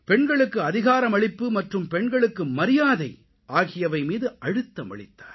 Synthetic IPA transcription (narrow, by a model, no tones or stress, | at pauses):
pɛɳɡɐɭɯkːɯɐðɪɣaːɾɐmɐɭɪpːɯmɐʈrɯmpɛɳɡɐɭɯkːɯmɐɾɪjaːðɐɪ | ʔaːɣɪjɐʋɐɪmiːðɯʔɐɽɯt̪ːɐmɐ̰ɭɪt̪ːaːɾ